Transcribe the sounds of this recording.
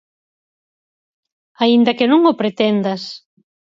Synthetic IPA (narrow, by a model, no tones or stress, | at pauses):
aind̪ɐkɪnũŋopɾet̪ɛnd̪ɐs